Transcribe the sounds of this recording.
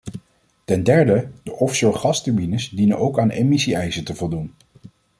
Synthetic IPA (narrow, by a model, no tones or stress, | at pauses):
tɛndɛɹdədəʔɔfsoχɑstəɹmbinəsdinənʔowkaːnḛmisiɛjsətəvɔlˠdun